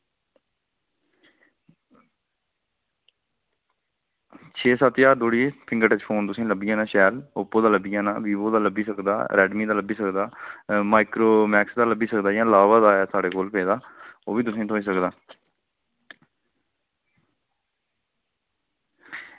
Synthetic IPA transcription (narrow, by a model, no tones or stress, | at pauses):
t͡ʃʰeːsaːt̪jaːd̪oːɽiːpɪ̃ŋɡəʈət͡ʃpʰoːnt̪ʊsẽːləbijãːnãːʃɛːlʊpːoːd̪aːləbɪijãːna̰ːʋiːboːd̪aːləbiːsəkd̪a̰ːɾɛːɖmiːd̪aːləbiːsəkd̪aːmaːɪkɾoːmɛːksd̪aːləbiːsəkd̪aːjãːlaːʋaːd̪aːɛːsaːɽeːkoːlpeːd̪aːo̰ːʋiːt̪ʊsẽːt̪ʰoːiːs̬əkd̪aː